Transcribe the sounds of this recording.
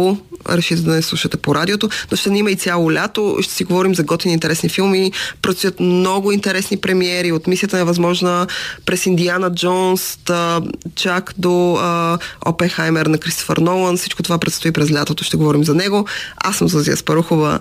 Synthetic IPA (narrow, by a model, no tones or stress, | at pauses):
oɾɛʃit̪ɛd̪ɐnɛslˠuʃət̪ɛpoɾad̪ʲiot̪onoʃt̪ɛniməit̪sʲjalˠolʲat̪o̰ʃt̪ɛ̥siɡovɔɾimzɐɡɔt̪vʲinint̪ɛɾɛsnifilˠmipɾot̪st̪ujət̪mnɔɡʊint̪ɛɾɛsnipɾɛmiɛɾiot̪misiət̪ənɛvɐzmɔʒnəpɾɛsind̪ianəd͡ʒɔns | t͡ʃakd̪o | ɔ̰pɛnxajmɛɾnɐkɾist̪o̥fə̰ɾnɔlˠənfsit͡ʃkot̪ovapɾɛt̪st̪oipɾɛzlʲat̪ot̪oʃt̪ɛɡovɔɾimzɐnɛɡoa̰sːəmzəziə̰spɐɾuxovə̰